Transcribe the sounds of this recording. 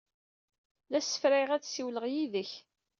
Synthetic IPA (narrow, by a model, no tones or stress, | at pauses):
læsə̥fɾɪʁæt͡ssiwləʁjiðəç